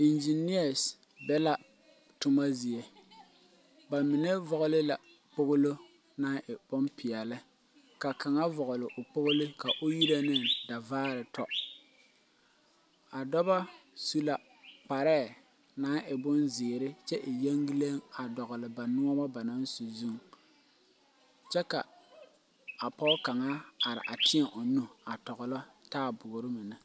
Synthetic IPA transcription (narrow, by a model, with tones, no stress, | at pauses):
i˨nd͡ʒi˨ni˦a˨s | bɛ˦la˦ | tʊ˦ma˦zi˨e˨ | ba˨mɪ˨nɛ˦vɔ˨ɣʊ˦lɪ˦la˨ | k͡pʊ˦ɣʊ˦lo˦ | naː˦ʔɪ˨bɔ˦mpɪ˨ɛ˨lɪ˦ | ka˨ka˨ŋa˦vɔ˨ɣʊ˨lɪ˨ʔʊ˨k͡pʊ˦ɣʊ˦lɪ˦ka˨ʔʊ˦ji˦ɾa˦nɪ˦ŋda˨vaː˦ɾɪ˨tɔ˦ | a˨dɔ˦ba˦su˦la˨ | k͡pa˨ɾɛː˦˨ | naː˨˦ʔɪ˨bʊ˦nzɪː˨ɾɪ˦t͡ʃɛ˦ʔɪ˨jɛ˦ŋɡi˦le˦ŋa˨dɔ˨ɣʊ˨lɪ˨ba˨nʊ˦ɔ˦ba˦ba˨na˦nso˨zu˦ŋ | t͡ʃɛ˦ka˨ | a˨pɔ˦ka˨ŋa˦a˨ɾɪ̰˨ʔa˨tɪ˦ɛ˨ʔʊ˨nu˦a˨tɔ˨ɣʊ˨lɔ˦taː˦bʊ˨ʊ˨ɾɪ˦mɪ˨nɪ˦